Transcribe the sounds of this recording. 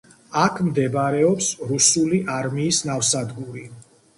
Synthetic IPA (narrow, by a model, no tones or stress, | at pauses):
akʰmd̪ɛbaɾɛɔpsɾusuliʔaɾmiːsnafsad̪ɡuɾi